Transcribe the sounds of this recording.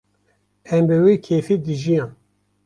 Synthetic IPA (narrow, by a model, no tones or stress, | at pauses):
ɛmbɨweːkʰeːfid̪ɨʒijãːn